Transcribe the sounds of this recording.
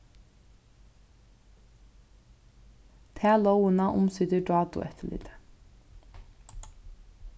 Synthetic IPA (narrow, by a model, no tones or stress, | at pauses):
t̪ʰeːɑloʊənɑːʔʊmsʏd̪əɖɑːd̪ʊ̰ʔɛt̪ʰəlḭd̪ə